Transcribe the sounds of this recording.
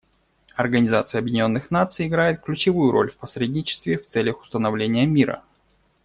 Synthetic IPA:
ɐrɡənʲɪzat̪sɨjəɐbjɪdʲɪnʲo̞nːɨxnat̪sɨjɪɡɾajɪt̪̚klʲʉt͡ɕɪvujʊɾo̞̰lʲfpɐsɾʲedʲnʲɪt͡ɕɪ̥st̪vʲɪft̪sɛlʲəxʊ̥st̪ənɐvlʲenʲɪjəmʲiɾə̰

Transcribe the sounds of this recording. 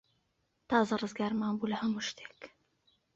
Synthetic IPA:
t̪ɑːzɑrˤɨzɡaːɾˤmaːmbulahɐmʊʃt̪e̥k

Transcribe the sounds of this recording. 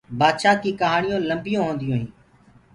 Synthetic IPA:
baːd̪ʃaːkiːkəɦaːɳɪjõːləmbɪjõːɦõːnd̪ɪjõːɦĩː

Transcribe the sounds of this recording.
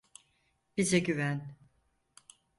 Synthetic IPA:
b̥izɛɟyvæn

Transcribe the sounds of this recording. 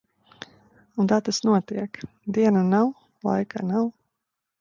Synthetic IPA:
unt̪at̪asnuɔt̪iɛk | d̪iɛnanaw | lˠa̰jka̰naw

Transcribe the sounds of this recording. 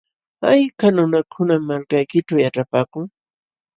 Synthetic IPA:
ajkanʊnakʰʊnamalkajkɪʈ͡ʂawjaʈ͡ʂapaːkʊŋ

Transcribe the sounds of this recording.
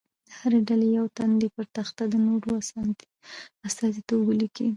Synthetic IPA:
d̪̥əhaɾeɖalejawt̪and̪epəɾt̪axt̪ad̪ənoɾoa | ast̪ɑzit̪obəlikʰi

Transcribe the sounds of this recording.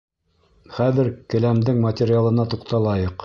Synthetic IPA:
χæðɘ̆ɾkɘ̆læmd̪ɘŋmɐtʲeɾʲɪalˠɤ̆nɑt̪uqt̪ɑlˠɑjɤq

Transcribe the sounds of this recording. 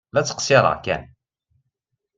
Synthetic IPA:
læt͡sːə̥qsɪɾˤɑ̰kæ̰n

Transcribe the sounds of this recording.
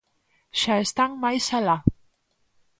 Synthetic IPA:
ʃaest̪aŋmajsala

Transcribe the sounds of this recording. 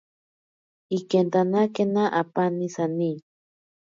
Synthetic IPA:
ikent̪anakenaʔapanisani

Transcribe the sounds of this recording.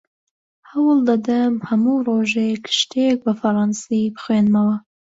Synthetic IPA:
hɐwɨlˠd̪ɐd̪ɐmhɐmuroʒejkʰʃt̪ʰek̚bɐfɐɾˤɑnsibɨxwenmɐwɐ

